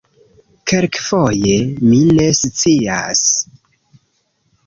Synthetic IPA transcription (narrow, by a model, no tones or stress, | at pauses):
kʰeɾkfoje̞mine̞st͡sia̰s